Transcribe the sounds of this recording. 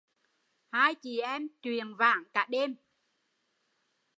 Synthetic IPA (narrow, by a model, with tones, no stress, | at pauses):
haː˧jt͡ɕi˧˨˩ʔɛ˧mt͡ɕwi˨˩ənva̰ː˧˦ŋkaː˧˦˥ɗe˧m